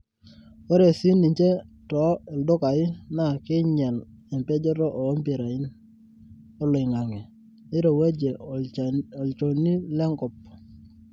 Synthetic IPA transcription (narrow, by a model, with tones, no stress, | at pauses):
ɔ˦ɾe˨si˦ni˨ɲt͡ʃe˦tɔ˨˦ɛ˨ldʊ˦ka˨ɪ˦na˦˨kɪ˦ɲɛ˨l | ɛ˨mpɛ˦d͡ʒɛ˦ɾɔ˦ʔɔ˨˦mpɪ˨ɾa˨ɪ˦n | ɔ˦lɔ˨ɪ˨ŋa˨ŋɛ˨ | ɪ˦ɾo˨we˦d͡ʒe˨ | ɔ˨lt͡ʃo˨ni˦lɛ˦ŋkɔ˨p̚